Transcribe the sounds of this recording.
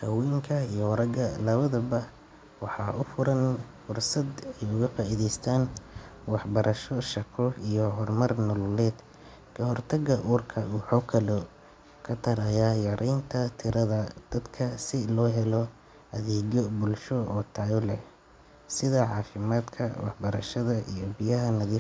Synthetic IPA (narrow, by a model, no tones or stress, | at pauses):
kʰɐwiːŋkʰɐijɔwɾɐɡɐlɐβɐðɐbɐ | wɑħɑːʔʊfʊɾɐnfʊrsɐd̪ɛjʊɣɐfaːʔiðɛjst̪ʰaːn | wɑħbɐɾʔɐʃɔʃɐkʰɔijɔɦɔrmɐrnɔlɔlɛːd̪ | kʰɐɦɔrt̪ʰɐɣɐʔuːrkʰɐuːħɔkʰɐlɔ | kʰɐt̪ʰɐɾɐjajɐɾʔɛjnt̪ʰɐt̪ʰɪɾɐðɐd̪̥ɐd̪kʰɐsɪlɔːɦɛlɔ | ɐðɛːd͡ʒɔbʊlʃɔɔːt̪ʰaːjɔlɛh | sɪðɐʕɑːfɪmaːd̪kʰɐ̰wɑ̰ħbɐɾɐʃɐðɐʔḭjɔbɪjɐɦɐnɐðiː